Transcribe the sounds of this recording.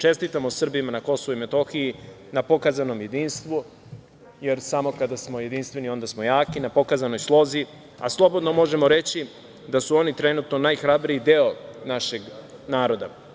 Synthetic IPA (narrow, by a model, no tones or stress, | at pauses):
t͡ʃe̞st̪it̪amosr̩bimanako̞so̞vuime̞t̪o̞xiji | napo̞kazano̞mje̞d̪iːnst̪ʋu | je̞ɾsamo̞kad̪asmo̞je̞d̪inst̪ʋe̞nio̞nd̪asmo̞jaːkinapo̞kazano̞jslˠo̞zi | a̰slˠo̞bod̪no̞mo̞ʒe̞mo̞ɾe̞t͡ɕi | d̪asuo̞nit̪ɾe̞nut̪no̞najxɾabɾijid̪eonaʃe̞ɡnaːɾo̞d̪a̰